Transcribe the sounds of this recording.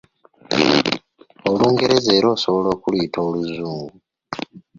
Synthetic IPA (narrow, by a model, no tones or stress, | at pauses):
oluːŋɡe̞ɾe̞ze̞ːɾoːso̞βo̞lo̞ːkulwitʰoːluzuːmɡu